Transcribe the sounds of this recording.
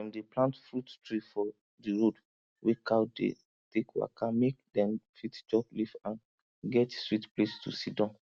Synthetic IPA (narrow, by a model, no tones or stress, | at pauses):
ɛ̃mdeplãntfɹuttɹifɔ | diɹod | wekʰadḛ | tʰekwa̰kamek̚dɛ̃mfitd͡ʒɔblivãn | ɡɛtswitplestṵsidɔ̃n